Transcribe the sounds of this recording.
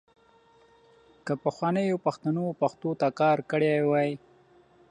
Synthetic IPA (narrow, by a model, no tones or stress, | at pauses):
kəpaxwɑnəjopaxt̪anopaxt̪ot̪akɑɾkəɽewɑj